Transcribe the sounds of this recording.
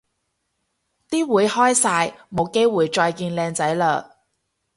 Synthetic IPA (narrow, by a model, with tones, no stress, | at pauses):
t̪iː˥wuː˨˧˥jhɔː˥jsaː˧jmo˨˧wke˥jwuː˨jt͡ʃɔː˧jkiː˧nlɛː˧ŋt͡sɐ˨˥jlœː˨˩k̚